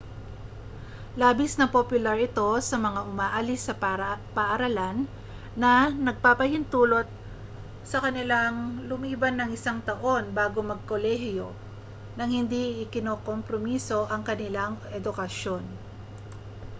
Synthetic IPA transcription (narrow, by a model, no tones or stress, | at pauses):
laːbɪsnɐpopjʊlaɹʔɪt̪o̞sɐmɐŋaʔʊmaːʔɐlɪsɐpapɐʔɐɾɐlanː | ɐnɐɡ̚papɐhɪnt̪uːlo̞t̪̚ | sɐkɐnɪlaŋlʊmiːbɐnːɐŋʔɪsaŋt̪ɐʔo̞nbaːɡo̞mɐɡ̚ko̞lɛhjo | nɐŋhɪnd̪iɪkɪnoːkompɾomiso̞ʔɐŋkɐnɪlaŋʔɛd̪ʊkɐʃo̞n